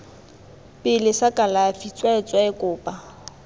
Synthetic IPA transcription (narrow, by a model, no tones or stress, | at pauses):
pʼɪlɪsakʼalafit͡sʼwaɪt͡sʼwaɪkʼʊːpʼa